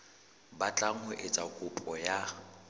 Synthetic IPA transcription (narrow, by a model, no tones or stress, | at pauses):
bat͡ɬʼaŋ̩hʊʔɪt͡sʼakʼʊpʼɔja